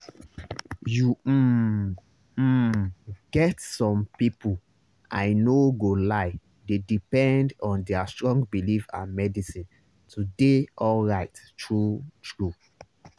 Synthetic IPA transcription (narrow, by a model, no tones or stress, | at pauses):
ju | ɡɛtsɔ̃mpipu | ʔaɪnoɡolaɪ | dedipɛ̃ndɔ̃ndɛastɹɔ̃ŋɡbilifã̰nmɛdisĩn | tʰudeʔɔlɹaɪttɹutɹu